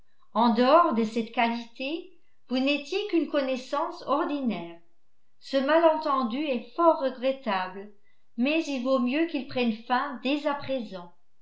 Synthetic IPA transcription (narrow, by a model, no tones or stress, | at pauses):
ɑ̃d̪əɔʁd̪əsɛt̪kalit̪e | vunɛt̪jekynkɔnɛsɑ̃sɔʁd̪inɛːʁ | səmalɑ̃t̪ɑ̃d̪yɛfɔʁːəɡʁɛt̪abl | mɛzilvomjøkilpχɛnfɛ̃d̪ezapχezɑ̃